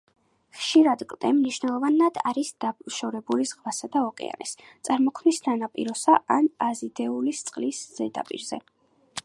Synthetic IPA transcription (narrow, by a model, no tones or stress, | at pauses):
χʃiɾad̪ɡʼlˠd̪ɛmniʃwnɛlˠɔvanad̪̥a̰ɾisd̪̥abʃɔɾɛbulizʁvasad̪aɔqʼɛ̰a̰nḭst̪sʼaɾmɔkʰmnisnanapʼḭɾɔsaʔanazid̪ɛulist̪sʼqʼlisz̥ɛd̪a̰pʼḭɾzɛ̰